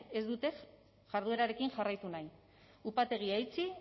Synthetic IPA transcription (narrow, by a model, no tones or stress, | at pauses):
ezd̪ut̪e̞ | ʝaɾðue̞ɾaɾe̞kiŋʝarajt̪unaj | upat̪e̞ɣ̞iajt͡si